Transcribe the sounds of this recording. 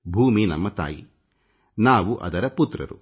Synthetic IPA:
bʱuːminɐmːɐt̪a̰ːji | naːʋuʔɐ̰d̪ɐɾɐput̪ɾɐ̰ɾu

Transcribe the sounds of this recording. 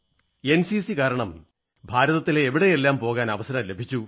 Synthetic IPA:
e̞nsisikaːɾɐɳɐm | bʱaːɾɐðɐt̪ːileːʋiɽe̞jelːaːmpo̞ːɣaːnɐʋɐsɐɾɐmle̞bʱit͡ɕːu

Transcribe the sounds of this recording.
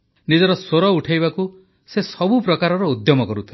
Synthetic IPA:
nid͡ʒɔɾɔsoɾɔuʈʰajbaku | sesɔbupɾɔkaɾɔɾɔud̪jɔmɔkɔɾut̪ʰi

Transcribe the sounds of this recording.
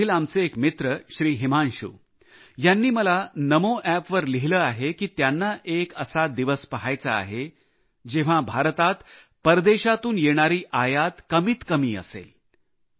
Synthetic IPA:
iːlamt͡seekmit̪ɾəɕɾiːɦimanɕṵː | janːiːməlanəmoʔæpʋəɾliɦiləːaɦekiːt̪janːaʔekəsad̪iʋəspəɦajt͡sa̰ːɦe | d͡ʑeʋ̤abʱaɾt̪at̪ | pəɾd̪eɕat̪uːnjeɽ̃aɾiːʔajat̪kəmiːt̪kəmiːə̰sḛl

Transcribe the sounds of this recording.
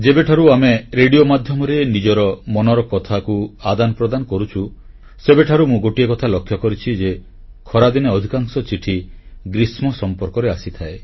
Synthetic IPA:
d͡ʒebeʈʰaɾuameɾeɽijomad̪ʱjɔmɔɾenid͡ʒɔɾɔmɔnɔɾɔkɔt̪ʰakuad̪anɔpɾɔd̪anɔkɔɾut͡ʃʰu | sebeʈʰaɾumũɡoʈiekɔt̪ʰalɔkʰjɔkɔɾit͡ʃʰid͡ʒe | kʰɔɾad̪ineɔd̪ʱikaŋsɔt͡ʃiʈʰi | ɡɾismɔsɔmpɔɾkɔɾeasit̪ʰae

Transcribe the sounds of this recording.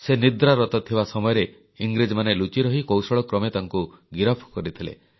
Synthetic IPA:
senid̪ɾaɾɔt̪ɔt̪ʰibasɔmɔjɔɾe | iŋɡɾid͡ʒɔmanelut͡ʃiɾɔɦikowsɔɭɔkɾɔmet̪aŋkuɡiɾɔpʰkɔɾit̪ʰilḛ

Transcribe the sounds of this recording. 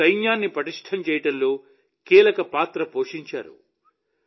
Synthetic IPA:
ɐjnjaːnːipɾɐʈiʂʈʰɐmt͡ʃɛːjɐʈɐnlo̞ː | kiːlɐkɐpaːt̪ɾɐpoːʂiɲt͡ʃa̰ːɾṵ

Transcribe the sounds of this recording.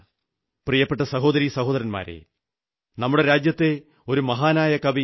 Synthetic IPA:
prijɐpːe̞ʈ̬ːɐsɐɦo̞ːd̪ɐɾisɐho̞ːðɐɾɐnma̰ːɾḛ | nɐmːuɽe̞ɾaːd͡ʑjɐt̪ːe̞ | o̞ɾumɐɦaːnaːjɐkɐbi

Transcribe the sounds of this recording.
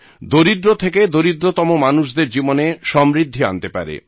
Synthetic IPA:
d̪oɾid̪ɾot̪ʰeked̪oɾid̪ɾot̪ɔmomanuʃ̬d̪eɾd͡ʑiboneʃɔmɾid̪ʱːia̰nt̪epa̰ɾḛ

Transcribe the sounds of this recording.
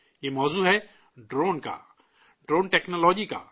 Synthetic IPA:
jemɔːzuːɦɛ | ɖɾoːnka̰ | ɖɾoːnʈɛːknɔlɔːd͡ʒika̰ː

